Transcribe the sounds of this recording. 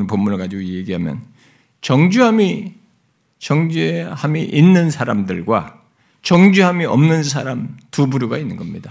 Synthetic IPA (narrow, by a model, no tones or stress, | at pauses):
npomːunɯɭɡad͡ʑiɡojeɡiɦamjʌ̰n | t͡ɕʌŋd͡ʑuɦami | t͡ɕʌŋd͡ʑehamiʔinːɯnsʰaɾamdɯɭɡwa̰ | t͡ɕʌŋd͡ʑuɦamiʌmnɯnsʰaɾamtubuɾjuɡainːɯnɡʌmɲida